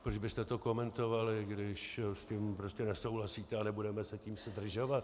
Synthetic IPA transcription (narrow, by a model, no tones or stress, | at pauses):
pɾod͡ʒbɪst̪ɛt̪o̞ko̞mɛnt̪o̞valɪɡdɪʃscimpɾoscɛnɛso̞wlasiːt̪ɛanɛbudɛmɛsɛciːmsɪdr̩ʒo̞vat̪